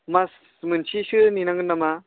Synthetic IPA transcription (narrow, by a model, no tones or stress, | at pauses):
mas | mɯnt͡ʃʰisɯninaŋɯnːama